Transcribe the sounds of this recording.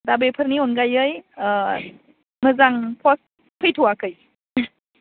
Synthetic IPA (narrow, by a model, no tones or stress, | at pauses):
dabejpʰəɾniɔnɡajɯj | mɯzaŋpʰɔs | pʰɯjtʰuwakɯj